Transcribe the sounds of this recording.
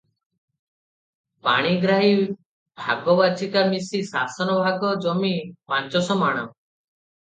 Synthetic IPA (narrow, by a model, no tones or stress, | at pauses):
pa̰ɽ̃iɡɾaɦi | bʱaɡɔbat͡ʃʰikamisisasɔnɔbʱaɡɔd͡ʒɔmipãnt͡ʃɔsɔmaɽ̃ɔ